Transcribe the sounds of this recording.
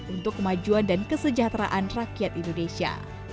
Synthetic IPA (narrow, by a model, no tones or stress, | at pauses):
unt̪ʊkːəmad͡ʒuandankəsəd͡ʒaht̪ɾa̰ʔanrakiat̪indonesia̰